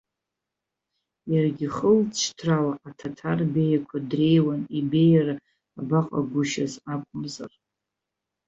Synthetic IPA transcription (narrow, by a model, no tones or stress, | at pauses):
jarɡʲiχəlt͡ʃʷʰtʰrawaʔatʰatʰarbejakʷʰadre̞jwanibe̞jara | abaqʼa̰ɡʷʊʃazakʷʰʼʊmza̰r